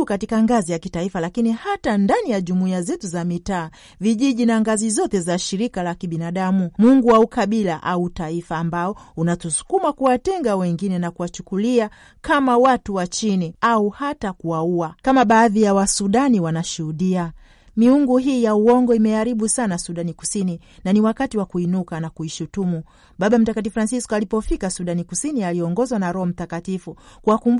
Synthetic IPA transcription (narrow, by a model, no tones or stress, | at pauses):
katikaŋɡazijakitaifalakinihatandanijaʄumuiazɛtuzamitaː | viʄiʄinaŋɡazizɔtɛzaʃiɾikalakiɓinaɗamumuŋɡuwaukaɓilaʔautaifaːmbaɔunatusu̥kumakuwatɛŋɡawɛŋɡinɛnakuwat͡ʃu̥kulia | kamawatuwat͡ʃiniauhatakuwauakamaɓaːðijawasuɗaniwanaʃuhuɗia | miuŋɡuɦiːjauɔŋɡɔimɛaɾiɓusanasuɗaniku̥sini | naniwakatiwakuinukanakuiʃutumu | ɓaɓam̩takat̬ifɾansiskɔalipɔfikasuɗanikusinialiɔŋɡɔzwanaɾɔhɔm̩takatifukuwakumb